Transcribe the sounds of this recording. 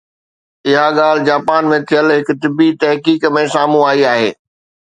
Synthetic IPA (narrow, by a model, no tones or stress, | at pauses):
ɪɦaɠaːl̤ɪd͡ʑaːpaːnmẽt̪ʰijəlɦɪk̆t̪ɪbit̪ɛɦkiːkmẽsaːmũaːiaːɦḛː